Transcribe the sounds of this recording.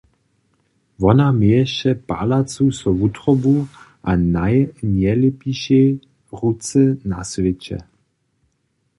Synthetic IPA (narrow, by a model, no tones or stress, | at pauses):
ʋɔnameɛʃɛpa̰lat͡susɔʋut̪ʁɔbu | ʔanajɲɛlɛpiʃjɛ | ʁut͡sɛnasvɛt͡ɕɛ̰